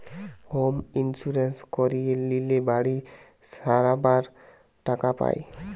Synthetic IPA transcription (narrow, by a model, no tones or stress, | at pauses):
hominsuɾenskoɾielilebaɽi | saɾabaɾ | ʈakapa̰e